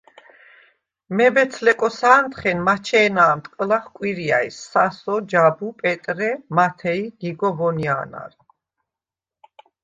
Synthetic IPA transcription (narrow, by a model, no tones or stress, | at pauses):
mɛbɛt̪sʰlɛkʼɔsaːnt̪ʰχɛnmat͡ʃʰɛːnaːmt̪ʼkʼlaχkʼwiɾia̰isːasɔd͡ʒabupʼɛt̪ʼɾɛmat̪ʰɛiɡ̥iɡɔvɔnia̰ːna̰ɾ